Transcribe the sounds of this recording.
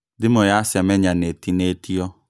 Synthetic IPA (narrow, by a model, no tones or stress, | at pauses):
dɪmojasɛmɛɲanetinetiɔ